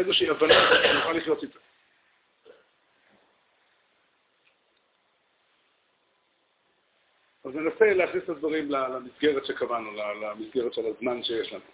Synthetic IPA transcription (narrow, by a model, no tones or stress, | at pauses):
ezeʃiiavananoχaliχjo̞t̪it̪a | avne̞naseleaχnislad̪vaʁimlalamisɡe̞ʁet̪ʃe̞kavanulalamisɡeʁetʃelazmanʃeje̞ʃlanu